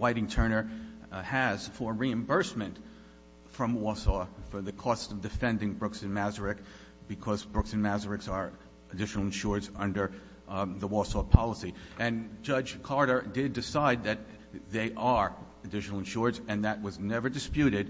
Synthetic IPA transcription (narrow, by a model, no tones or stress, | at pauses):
waɪɾɪ̃ŋtʰɜ̃˞nə˞ | ɨz̥fə˞ɹiɨ̃mbɜ˞smɨ̃nt | fɹʌ̃mwɔsɔfə˞ðɨkʰɔstʌvdɨfɛ̃ndɪ̃ŋbɹʊksɨ̃nmæzə˞ɪk | b̥ɨkʰʌzbɹʊksɨ̃nmæzə˞ɨksə˞ | ɨdɪʃnl̩ˠɨ̃nʃʊɹdzʌ̰̃ndə˞ | ðəwɔsɔpʰɑlˠəsiʔɨ̃nd͡ʒʌd͡ʒkʰɑɹɾə˞dɪdɨsaɪd̪̚ðɨt̪̚ | ðeɪʔə˞ | ɨdɪʃnl̩ˠə̃nʃʊɹzɨ̃nðɨt̚wʌznɛvə˞dɨspjʉɾɪd̥̚